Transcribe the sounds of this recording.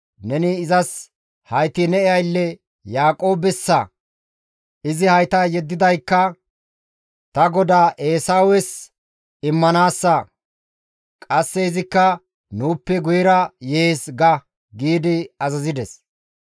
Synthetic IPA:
nɛnɪːzɐs | hɐjt̪ɪnɛɪjɐjlːɛ | jaːkʼo̞ːbɛsːɐ | ɪzɪhɐjt̪aːjɛd̪ːɪd̪ɐjkːɐ | t̪ɐɡɔd̪aːʔe̞ːsaːwɛs | ɪmːɐnaːsːɐ | kʼɐsːɛɪzɪkːɐ | nuːpːɛɡʊjɪɾɐjeːsɡɐ | ɡiːd̪ɪɐzɐzɪd̪ɛs

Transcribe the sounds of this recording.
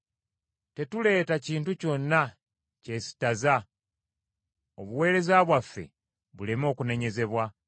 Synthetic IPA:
te̞tule̞ːtaciːntuco̞nːa | ce̞si̥taza | oβuwe̞ːɾe̞zaβwafːe̞̰ | βulemo̞ːkune̞ɲe̞ze̞βwa

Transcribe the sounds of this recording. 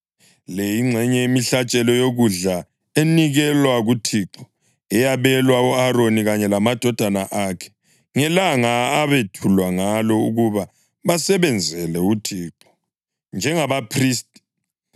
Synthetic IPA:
lejiŋ͡ǀʱɛɲɛimiɬat͡ʃʼɛlɔjoɣuɮa | eniɣɛlwaɣutʰiǁɔ̥ | ɛjaβɛlwauaɾoniɣaɲɛlamad̥ʱɔd̥ʱanaʔakʰɛ̥ | ŋɛlaŋaːβetʰulwaŋalɔuɣuβa | βasɛβɛnd͡zʱɛlɛutʰiːǃɔ̥ | nd͡ʒʱɛŋaβapʰriːstʼi̥

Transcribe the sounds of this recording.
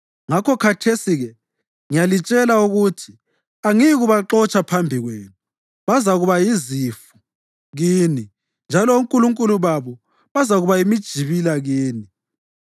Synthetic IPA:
ŋakʰɔkʰatʰesiɣɛ | ŋijalit͡ʃʼɛlauɣutʰi̥ | aŋiɣuβaǁɔt͡ʃʼapʰambʱiɣweːnɔ | βazaɣuβajizifu̥ | ɣiːni | nd͡ʒʱalɔuŋkʼuluŋkʼuluβaβɔ | βazaɣuβajimid̥ʒ̥ʱiβilaɣiːni

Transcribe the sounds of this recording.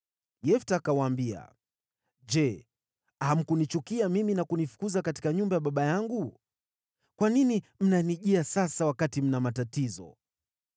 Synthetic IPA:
jɛftaːkawaːmbia̰ | d͡ʒɛ | ham̩kunit͡ʃukiamiminakunifu̥kuzakati̥kaɲumbajaɓaɓajaŋɡu | kwaninim̩naniʄiasasawakatim̩namatatizɔ̰

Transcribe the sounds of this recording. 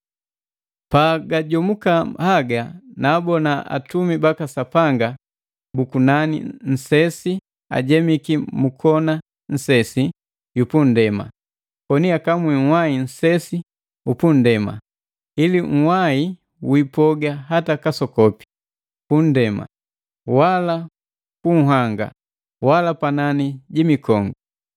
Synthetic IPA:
paɡaɟɔmukahaɡanaːbɔnaa̰tumibakasapaŋɡa | bukunanḭn̩sɛsi | a̰ɟɛmikimukʰɔna | n̩sɛsi | jupun̩dɛma̰ | kɔniakamwiŋ̩wain̩sɛsi | upun̩dɛma̰ | iliŋ̩wai | wipɔɡaɦatakasɔkɔpi̥ | pun̩dɛma̰ | wala | kuŋ̩ɦaŋɡa̰ | walapananiɟimikɔŋɡu

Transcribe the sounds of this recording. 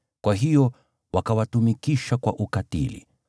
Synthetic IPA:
kwaɦijɔ | wakawatumikiʃakwaʔukatḭlḭ

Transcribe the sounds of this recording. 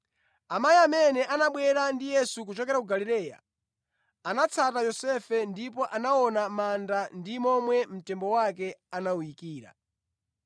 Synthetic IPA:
amajiamɛnɛʔanaɓwɛɾandijɛsukut͡ʃɔkɛɾakuɡaliɾɛːja̰ | anat͡sʰatajɔsɛfɛndipɔʔanaɔnamandandimɔmwɛm̩tɛmbɔwakɛanaujikiːɾa̰

